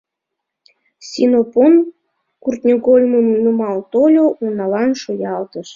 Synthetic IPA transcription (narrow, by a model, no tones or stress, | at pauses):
sʲinopon | kurt̪nʲoɣolʲmumnumɑlt̪olʲoʔunɑlɑnʃojɑlt̪əʃ